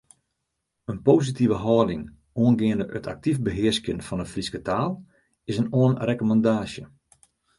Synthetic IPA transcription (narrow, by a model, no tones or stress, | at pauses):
ənpoːsitivəɦɔːdɪŋ | oənɡɪəndəʔətʰa̰k̚tifbəɦɪəskjənfɔnəfriskətʰaːlˠ | ɪsənoənrekomɑndaːsjə